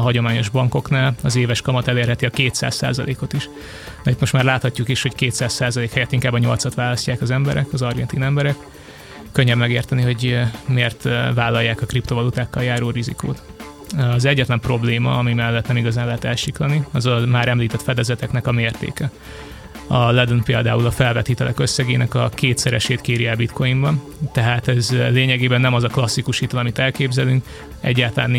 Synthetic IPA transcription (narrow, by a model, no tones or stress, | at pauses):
ɒɦɒɟo̞maːɲo̞ʒbɒŋko̞knaːlɒzeːvɛʃkɒmɒt̪ɛleːrɦɛt̪iɒkeːt̪sa̰ːssa̰ːzɒ̰lʔeːko̞t̪iʃ | nɛit̪mo̞ʃt̪maːrlaːt̪hɒcːukiʃho̞ckeːt̪saːssaːzɒleːkhɛjɛt̪ːiŋkaːbːɒɲo̞lt̪sɒt̪ʋaːlɒscaːkɒzɛmbɛ̰ɾʔɛkɒzɒrɡɛnt̪iːnɛmbɛɾɛk | kːø̞ɲːɛbmɛɡeːrt̪ɛniɦo̞ɟmeːrt̪vaːlːɒjːaːkɒkript̪ovɒlut̪aːkːɒljaːɾoːrizḭko̰ːt̪ | ɒzɛɟːɛt̪lɛmpro̞bleːmɒ̰ɒmimɛlːɛt̪nɛmiɡɒzaːnlɛɦɛt̪ɛlʃiklɒniɒzɒmaːɾɛmliːt̪ɛt̪fɛd̪ɛzɛt̪ɛknɛkɒmeːrt̪ḛːkɛ | ɒlɛd̪onpeːld̪aːulɒfɛlvɛt̪iːt̪ɛlʔɛ̰kø̞sːɛɡeːnʔɛkɒkeːt̪sɛɾɛʃeːt̪keːɾiɛbit̪kojimbɒn | t̪ɛɦaːt̪ɛzleːɲɛɡeːbɛnːɛmɒzɒklɒsːikuʃit̪ɛlɒmit̪ɛlkeːbzɛlyŋk | ɛ̰ɟːaːlt̪ɒlaːnː